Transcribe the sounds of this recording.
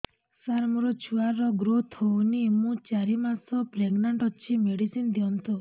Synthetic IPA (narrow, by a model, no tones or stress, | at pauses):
faɾmɔɾɔt͡ʃʰuaɾɔɡɾot̪ʰɦownimũt͡ʃaɾimasɔpɾeɡnaɳʈɔt͡ʃʰimeɽisind̪iɔnt̪u